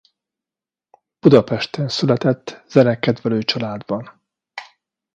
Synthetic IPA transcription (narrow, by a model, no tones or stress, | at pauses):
b̥ud̪ɒpɛʃt̪ɛnsylɛt̪ɛt̪ːz̥ɛnɛkːɛd̪vɛløːt͡ʃɒlaːd̪bɒn